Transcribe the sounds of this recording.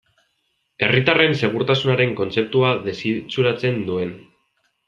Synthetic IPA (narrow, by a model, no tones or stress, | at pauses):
e̞rit̪are̞nse̞ɣ̞uɾt̪asunaɾe̞ŋko̞nt͡se̞p̚t̪uaðe̞sit͡suɾat͡se̞nd̪ue̞n